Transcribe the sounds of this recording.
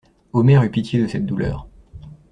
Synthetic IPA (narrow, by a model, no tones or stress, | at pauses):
omɛʁypit̪jed̪əsɛt̪̚d̪ulœ̰ːʁ